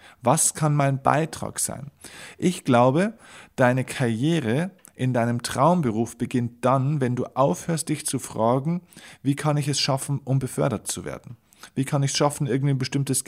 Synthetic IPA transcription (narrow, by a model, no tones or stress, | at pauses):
vaskʰanmaɪnba̰ɪtʁ̥a̰ːkz̥a̰ɪnʔɪçɡ̥laʊbəd̥aɪnəkʰaɐjeːʁ̞ə | ʔɪndaɪnəmtʁ̥aʊmbəʁuːfb̥əɡɪnt̚d̥anvɛnduːʔaʊfhøːɐst̚d̥ɪçt͡sufʁ̥aːɡŋ̩viːkʰanɪçɛsʃafn̩ʔʊmbəfœɐɾɐt͡suvḛːɐdn̩ | viːkʰanɪçsʃafn̩ʔɪɐɡŋ̩tanbəʃtɪmtəs